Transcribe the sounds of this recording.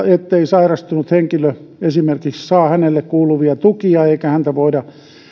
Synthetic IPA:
et̪ːeisɑirɑst̪unut̪heŋkiløesimerkikssɑːhænelːekkuːluʋiɑt̪ukiɑeikæhænt̪æʋoidɑ

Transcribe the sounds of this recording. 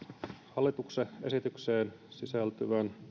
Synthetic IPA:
hɑlːit̪ukseʔesit̪ykseːn | sisælt̪yʋæn

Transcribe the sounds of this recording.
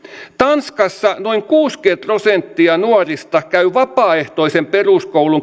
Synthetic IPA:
t̪ɑnskɑsːɑnoiŋkuːsket̪rosent̪ːiɑnuɑrist̪ɑkæyʋɑpɑːeht̪oisemperuskouluŋ

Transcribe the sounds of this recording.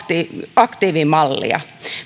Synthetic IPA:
t̪iːɑkt̪iːʋimɑlːḭɑ̰

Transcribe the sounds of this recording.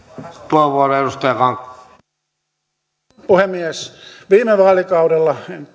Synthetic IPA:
t̪uheʋʋuoreɾust̪ɑjɑkɑŋ | puhemːiesʋiːmeʋɑːlikɑuɾelːɑ

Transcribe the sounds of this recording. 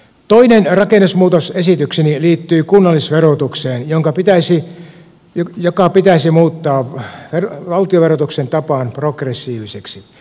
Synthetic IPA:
t̪oinenrɑkenːusmuːt̪osesit̪yksiniliːt̪ːyːkunːɑlːisʋerot̪ukseːnjoŋkɑpit̪æisi | jokɑpit̪æisimuːt̪ːɑːʋerʋɑlt̪ioʋerot̪uksent̪ɑpɑːnprokresːiːʋiseksi

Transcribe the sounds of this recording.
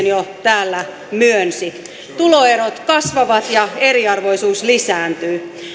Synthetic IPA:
njot̪æːlːæ | myønsi | t̪uloeɾot̪kɑsʋɑʋɑt̪jɑeɾiɑrʋoisuːslisæːnt̪yː

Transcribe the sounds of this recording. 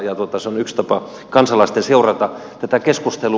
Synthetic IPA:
jɑt̪uot̪ɑseonykst̪ɑpɑ | kɑnsɑlɑst̪enseurɑt̪ɑt̪æt̪ækeskust̪elu

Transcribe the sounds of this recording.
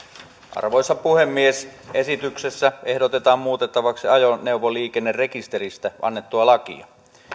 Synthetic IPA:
ʔɑ̰rʋo̞jsːɑpuhe̞mːiesʔe̞sit̪ykse̞sːæe̞hdot̪e̞t̪ɑːmmuːt̪et̪ːɑʋɑksiɑjonewʋoliːk̟enːere̞kist̪e̞ɾist̪æʔɑ̰nːe̞t̪ːuɑlɑkḭɑ̰

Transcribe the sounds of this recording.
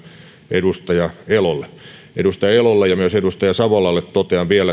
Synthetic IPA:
ʔedust̪ɑjɑelolːe | ḛdust̪ɑjɑelolːejjɑmyøsedust̪ɑjɑsɑʋolɑlːet̪t̪ot̪eɑʋʋiælːæ

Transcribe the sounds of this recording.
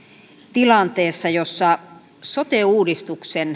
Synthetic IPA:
t̪ilɑnt̪eːsːɑjosːɑ | sot̪euːdist̪uksen

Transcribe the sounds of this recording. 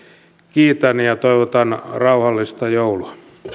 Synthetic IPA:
kiːt̪ænjɑt̪oiʋot̪ɑnrɑuhɑlːist̪ɑjouluɑ̥

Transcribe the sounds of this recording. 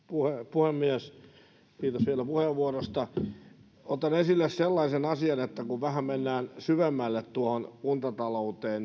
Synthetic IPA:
puhepuhemːiæs | kiːt̪osʋielæpuheʋʋuorost̪ɑ | ot̪ɑnesilːesselːɑisenɑsiɑnet̪ːækuʋʋæhæmmenːæːnsyʋemːælːet̪t̪uohonunt̪ɑt̪ɑlout̪eːn

